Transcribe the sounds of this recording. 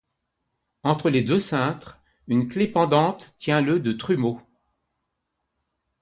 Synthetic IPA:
ɑ̃t̪χəled̪øsɛ̃t̪χ | ynklepɑ̃d̪ɑ̃t̪ːjɛ̃ləd̪ət̪χymo

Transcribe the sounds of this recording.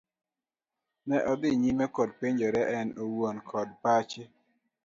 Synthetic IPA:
nɛʔɔd̪ɪɲimɛkɔd̚peɲd͡ʒɔɾɛʔɛnowwonkʰɔd̚pat͡ʃɪ

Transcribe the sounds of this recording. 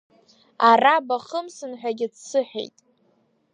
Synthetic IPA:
arabaχəmsɨnħʷᶣaɡʲɪt͡ssɨħᶣḛjtʼ

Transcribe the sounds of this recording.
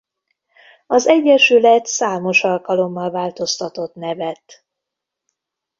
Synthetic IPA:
ɒzɛɟːɛʃylɛt̪saːmo̞ʃɒlkɒlo̞mːɒlvaːlt̪o̞st̪ɒt̪o̞t̪nɛvɛt̪

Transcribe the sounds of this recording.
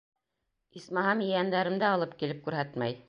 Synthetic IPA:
ismɑɦɑmjɘ̆jænd̪æɾɘ̆md̪æɑlˠɤp̚kilɘp̚kʉɾɦæt̪mæ̰j

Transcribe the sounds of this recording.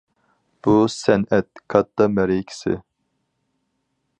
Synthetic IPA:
b̥usɛnɛt̪̚kʰɑt̪ːɑmɛɾikʲʰi̥sɪ̰

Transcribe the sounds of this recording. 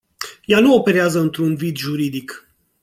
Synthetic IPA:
januope̞ɾeazəɨnt̪ɾunvid̪ʒuɾid̪ik

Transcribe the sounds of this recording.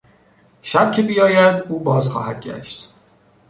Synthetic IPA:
ʃæb̚cʰe̞bijɒːjæd̪uːbɒːzxɒ̰ːhæd̪̥̚ɟæ̰ʃt̪

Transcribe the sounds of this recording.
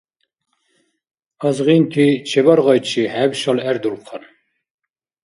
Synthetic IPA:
ɑzʁint̪ʰit͡ʃʰɛbaɾʁɔjt͡ʃʰihæbʃalæɾd̪ulqʰɑn

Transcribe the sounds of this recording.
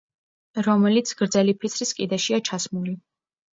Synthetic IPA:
ɾɔmɛlit̪sʰɡ̥ɾd̪zɛlipʰit̪sʰɾiskʼid̪ɛʃiat͡ʃʰasmuli

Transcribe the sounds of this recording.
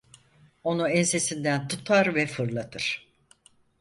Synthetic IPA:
o̞nuɛnse̞sind̪ænt̪ʰut̪ʰaɾvɛfɯɾlˠat̪ʰɯɾ̝̥

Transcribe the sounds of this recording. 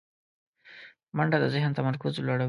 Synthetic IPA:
maɳɖad̪əzɪhnt̪amaɾkʊzlaɽa

